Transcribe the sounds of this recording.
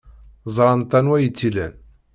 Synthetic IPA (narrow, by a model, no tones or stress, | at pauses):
zˤɾˤɑnt̪ænwæjət͡sːilæ̰n